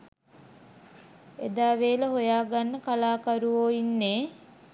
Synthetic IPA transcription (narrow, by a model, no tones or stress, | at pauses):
ed̪aːʋeːləɦojaːɡanːəkalaːkaɾuʋoːinːeː